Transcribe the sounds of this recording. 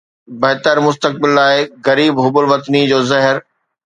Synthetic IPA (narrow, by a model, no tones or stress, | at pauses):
bɐɦt̪əɾmʊs̬t̪ək̚bɪlːaːɪɣɐɾiːbɦʊbʊlʋɐt̪nid͡ʑoːzɐɦɪɾ